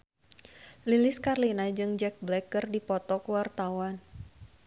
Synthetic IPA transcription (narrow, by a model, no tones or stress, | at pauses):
lilɪskarlinad͡ʒɨŋd͡ʒɛk̚blɛkərdipɔt̪ɔkuwart̪awan